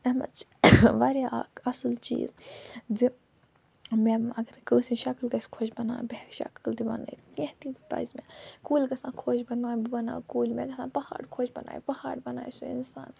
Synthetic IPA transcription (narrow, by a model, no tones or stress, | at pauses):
ɐmɐ̰t͡ʃ | ʋaːɾjaɐsɨlt͡ʃḭːzzi | meɐɡɐɾkəːsĩʃɐklɡɐsʲkʰoːt͡ʃbɐna̰ːbehʃɐ̰kəlt̪ibɐ̰na̰it̪kẽht̪ita̰ːizmekuːlɡɐsãːkʰoːd͡ʒbɐnaːbibɐna̰ːkuːlmẽd̪ɐsãːpɐha̰ːɖkʰoːt͡ʃbɐna̰ːjpɐhaːɖbɐna̰ːjsuḭnsa̰ːn